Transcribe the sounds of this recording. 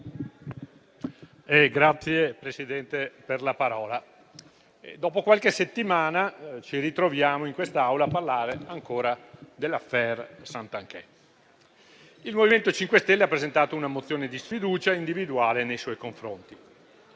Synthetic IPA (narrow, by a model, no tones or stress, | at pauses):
ɛɡɾat̪sːjepɾesid̪ɛnt̪eperlapaɾɔːla | ḛd̪ɔːpokwalkeset̪ːimaːnat͡ʃiɾit̪ɾovjaːmoiŋkwest̪aawlaːpːarlaːɾeaŋkoːɾad̪elːafɛrsant̪aŋkɛ | ilmoviment̪ot͡ʃiŋkwest̪elːeapːɾezent̪aːt̪ounamot̪sːjoːned̪isfid̪uːt͡ʃaind̪ivid̪uaːlenejswɔjkoɱfɾont̪i